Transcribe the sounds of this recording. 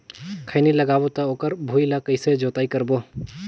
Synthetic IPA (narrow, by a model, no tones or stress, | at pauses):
kʰəɪniləɡaːbot̪ɐoːkəɾbʱuːilakəɪsed͡ʒoːt̪aːikəɾboː